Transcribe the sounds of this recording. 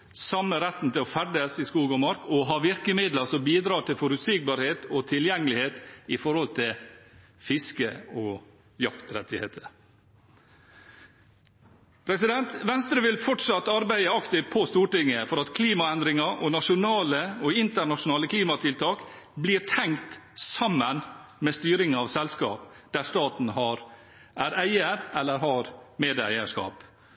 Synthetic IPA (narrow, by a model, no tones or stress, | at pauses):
sɑmːəɾɛt̪n̩t̪ʰɪlɔfæɖəsɪskuːɡɔmɑɾkɔɦɑːʋɪɾkəmɪd̪ləsɔmbiːd̪ɾɑːt̪ʰɪlfɔɾʉt̪sik̚bɑɾheːt̪ɔt̪ʰɪljɛŋːəlɪheːt̪ɪfɔɾhɔlt̪ʰɪl | fɪskəɔ | jɑkt̪ɾɛt̪ʰːɪhḛːt̪ʰə | pʰɾɛsɪd̪ɛnt̪ʋɛnst̪ɾəʋɪlfɔʈʂɑt̪ːɑɾbæɪəɑkt̪ɪpʰɔst̪uːʈɪŋːəfɔɾɑt̪kʰliːmɑɛnd̪ɾɪŋɑɾʔɔnɑʂʊnɑːləɔɪnt̪əɾɳɑʂʊnɑːləkʰliːmɑt̪ʰɪlt̪ʰɑːk | bliːɾt̪ʰɛŋkt̪sɑmːənmɛːst̪yːɾɪŋɑʋsɛlskɑ̰ːp | d̪æɾst̪ɑːt̪n̩ɦɑɾ | ʔæːɾæɪəɾɛlːəɾhɑɾmeːd̪æ̰ɪəʂkɑ̰ːp